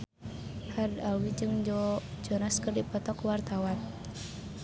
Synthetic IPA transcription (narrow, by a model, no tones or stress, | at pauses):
hardalwid͡ʒɨŋd͡ʒɔd͡ʒɔnaskərdipɔt̪ɔkwart̪awan